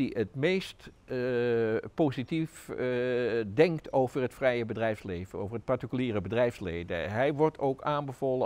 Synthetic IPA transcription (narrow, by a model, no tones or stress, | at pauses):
iətmejst | powzitif | dɛŋktowvəɹɦətfrɛjəbədrɛjfslejvəno̰wvəɹɦət̚paɹtikyliːrəbədrɛjfslejdə̰ɦɛjʋɔɹtʰowkaːnbəvoːlə